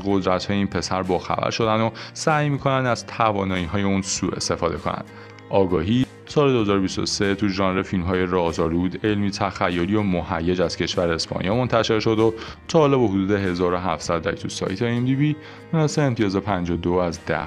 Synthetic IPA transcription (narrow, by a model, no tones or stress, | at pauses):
ɢo̞d̪ɾæt̪hɒːjeiːnpʰe̞sæɾbɒːxæ̰væ̰ɾʃo̞d̪ænd̪osæːjmiːkʰo̞nænd̪æz̥t̪ʰævɒːnɒːiɦɒːje̞unsuːe̞̰st̪e̞fɒːd̪e̞kʰo̞næ̰nd̪̥ | ʔɒːɡɒːɦiː | sɒːled̪ohezɒːɾobist̪o̞̰set̪ʰuʒɒnɾefilmɦɒːje̞rɒːzɒːɾud̪elmiːt̪ʰæxæjːoliomohæjːe̞d͡ʒæz̥cʰe̞ʃvæɾeespʰɒ̰nḭjɒːmo̞nt̪ʰæʃe̞ɾʃo̞d̪ot̪ʰɒːhːlɒːbehod̪uːd̪e̞ɦe̞zɒːɾoɦæft̪sæd̪ɾækt̪ʰusɒ̰ːjt̪ʰeimd̪iviː | minɒseeːmt̪ʰijɒːzɒpʰænd͡ʒod̪oæzd̪æ̰h